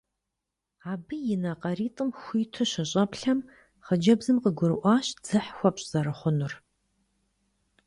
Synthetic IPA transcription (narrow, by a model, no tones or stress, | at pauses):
aːbɨjɪnɐqɐriːtʼɨmxʷiːtʰɨɕɐɕʼɐpɬɐm | χəd͡ʒɐbzɨmqəɡʷʊɾɨʔʷɑːɕd͡z̥ɨħxʷɔpɕʼz̥ɐɾɨχʷʊnʊr